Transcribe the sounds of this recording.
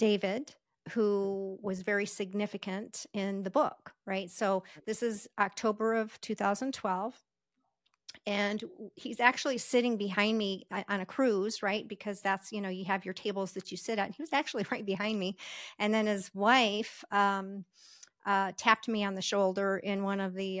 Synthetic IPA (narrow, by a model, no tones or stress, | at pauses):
d̥eɪvɪd | huwʌzvɛɹisɨɡ̚nɪfɨkɨ̃ntɪ̃nðɨbʊkɹaɪtsoʊðɪsɨzʔɑk̚tʰoʊbə˞ʌv̥tʰʉθaʊzə̃n̩tʰw̥ɛlˠv̥ | ɨ̃nhizæk̚t͡ʃul̩ˠisɪɾɪ̃ŋbɨɦãɪ̃nmiʔɨ̃nɨkʰɹ̥ʉzɹaɪt̚b̥ɨkʰʌzðætsjɨnoʊjɨɨvjə˞tʰeɪbl̩ˠzðɨt͡ʃɨsɪɾɨtn̩iwʌzæk̚t͡ʃʉl̩ˠiɹaɪt̚b̥ɨɦãɪ̃nmiʔɨ̃nðɨ̃nɨzwaɪfʌ̃m | ʔʌtʰæp̚t̚miɨ̃nðɨʃoʊlˠdə˞ʔɪ̃nwʌ̃nʌvði